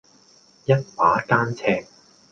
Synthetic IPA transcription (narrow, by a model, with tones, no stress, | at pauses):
jɐ˥t̚waː˨˧˥kaː˥nt͡sʰɛː˧ŋ̚